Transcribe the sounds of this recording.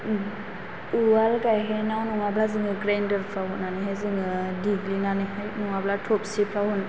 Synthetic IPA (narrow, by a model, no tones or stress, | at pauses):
uwalɡajɦajnawnuŋablazɯŋɯɡɾandɯɾpʰaɦutnːaneɦazɯŋɯdiɡlinanɯhajnuŋablatʰɔp̚sipʰahun